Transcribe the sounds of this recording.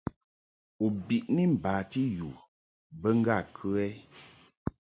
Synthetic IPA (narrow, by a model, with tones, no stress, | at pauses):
u˨bi˨ʔni˦m̩˨baː˨ti˦ju˨ | bə˦ŋ̩˦ɡa˦˨kʰʉ˦ɛ˦